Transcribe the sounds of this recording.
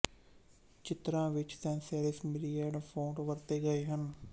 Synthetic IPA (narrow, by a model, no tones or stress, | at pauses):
t͡ʃɪt̪ɾãːʋɪt͡ʃsɛnsɛːlɪsmɪlijaːɾɖpʰõːɳʈʋəɾt̪eːɡəeːɦən